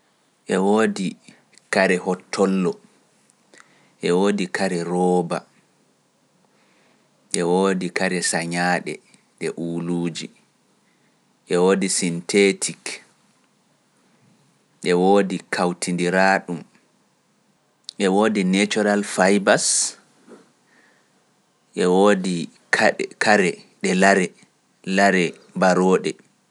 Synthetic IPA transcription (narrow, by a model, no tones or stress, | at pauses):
ʔɛwoːdi | kaɾɛhɔtʰːɔlːɔ | ʔɛwoːdikʰaɾɛɾɔːba | ʔɛwoːdikaɾɛsaɲaːɗɛ | ɗɛʔuːluːd͡ʒi | ʔɛwoːdisintʰetʰik | ʔɛwoːdikʰawtʰindiɾaːɗum | ʔɛwoːdinet͡ʃɔɾalfajbas | ʔɛwoːdi | kkʰaɾɛɗɛlaɾɛ | laɾɛ | baɾɔːɗɛ